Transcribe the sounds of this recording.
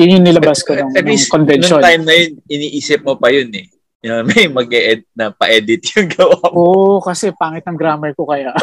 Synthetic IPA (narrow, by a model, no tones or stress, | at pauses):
jʊnjʊŋnɪlɐbaskonɐŋɛbikonvɛnnot̪ajmnɐjonʔɪniːʔiːsɪp̚mopɐjʊnɛ | nɐmɐjmɐɡ̚ɛʔɛd̪t̚nɐpɐʔɛːd̪ɪt̪jʊŋɡɐwaoʔokɐsɛpaːŋɪt̪̚nɐŋɡɾaːmɐkokɐjaʔ